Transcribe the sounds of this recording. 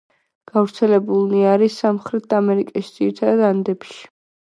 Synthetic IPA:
ɡ̥avɾt̪sʰɛlɛbulˠniaɾisːamχɾɛt̪̚ʰd̪amɛɾikʼiʃid̪z̥iɾit̪ʰad̪ad̪and̪ɛpʃi̥

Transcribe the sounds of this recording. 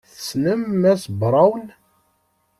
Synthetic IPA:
θəsnəmːæsbɾˤɑwn

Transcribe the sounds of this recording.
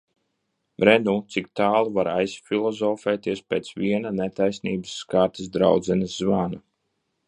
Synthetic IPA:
bɾɛnuːt̪sik̚t̪aːlˠuvaɾajsfʲilˠɔzɔfɛːt̪iɛspeːt̪sviɛnanet̪ajsniːbɨsːkaːɾt̪is̬d̪ɾa̰wd̪zɛnɨszvana

